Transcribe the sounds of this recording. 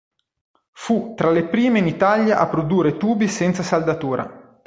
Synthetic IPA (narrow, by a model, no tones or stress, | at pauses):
fut̪ːɾalepɾiːmeinit̪aljaʔa̰pːɾod̪uːɾet̪uːbisɛnt̪sasald̪at̪uːɾa̰